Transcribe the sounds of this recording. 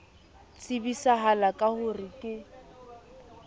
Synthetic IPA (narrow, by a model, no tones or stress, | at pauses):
t͡sʼɪbisaɦalakʼahʊrikʼɪ